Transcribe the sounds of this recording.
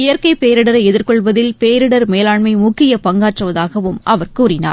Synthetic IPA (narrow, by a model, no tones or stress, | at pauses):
ɪjɐɾkɐɪpeːɾɪɽɐɾɐɪɛðɪɾkɔɭʋɐðɪlpeːɾɪɽɐɾmeːlaːɭmɐɪmʊkːɪjɐpɐŋɡaːʈrɯʋɐðaːɣɐʋɯmʔɐʋɐɾkuːrɪna̰ː